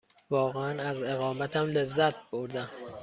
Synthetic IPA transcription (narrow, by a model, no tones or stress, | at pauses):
vɒːɣeænæze̞ɣɒːmæt̪ʰæmlezːæt̪̚ʰboɾd̪æm